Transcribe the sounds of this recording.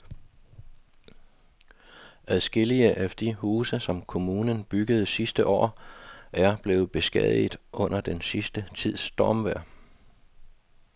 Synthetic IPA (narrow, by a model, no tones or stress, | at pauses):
æðˠsɡ̥e̝liəʔæd̥ihuːsəsɒ̽mkʰo̝muːnənb̥yɡ̥əð̞̩ˠsisd̥əʔɒ̰ːʔæɐb̥le̝ːð̩ˠb̥e̝sɡ̥ɛ̰ð̰ˠidˠʔɔ̽n̰ɐd̥ensisd̥ət͡sʰið̞̰ˠsd̥ɒːmʋæɐ̰